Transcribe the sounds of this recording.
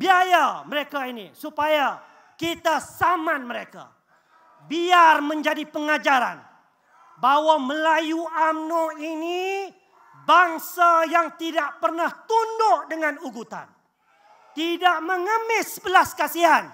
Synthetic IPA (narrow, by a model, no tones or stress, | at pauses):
biajaməɾekainḭsupaja | kit̪asamãnməɾeka̰ | biarmə̃ɲd͡ʒadipəŋad͡ʒaɾa̰n | bawaməlajuamnɔini | baŋsajaŋt̪idaʔpərnaht̪undʊʔdəŋãnuɡut̪a̰n | t̪idaʔmə̃ŋəmɪsəbəlaskasiɦan